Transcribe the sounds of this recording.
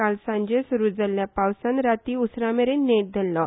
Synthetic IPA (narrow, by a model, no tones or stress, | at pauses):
alsãɲd͡ʑesuɾuːd͡zaljapawsanɾat̪iːusɾameɾeneʈ̚d̪ʱelːɔ